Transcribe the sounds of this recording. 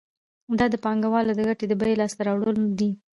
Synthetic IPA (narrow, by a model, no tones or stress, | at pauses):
d̪ɑd̪əpɑŋɡawɑlad̪əɡaʈed̪əbajelɑst̪aɾɑwɽəld̪i